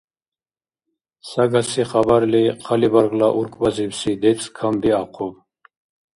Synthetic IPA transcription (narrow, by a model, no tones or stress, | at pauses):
saɡasiχabaɾliqʰalibaɾʁlaʔuɾkʰʼbaziwsid̪ɛt̪sʰʼkʰamd̪iaqʰɔv